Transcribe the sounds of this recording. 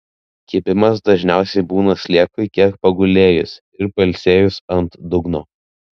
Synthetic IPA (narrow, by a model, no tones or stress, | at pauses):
kʲiɛbʲɪmɐsd̪ɐʒʲnʲæˑʊsʲɛɪbuːnɐsʲlʲeɛkʊɪkʲiɛk̚pɐɡʊlʲeːjʊs | ɪɾpɐlʲsʲeːjʊsɐnt̪d̪ʊɡnoː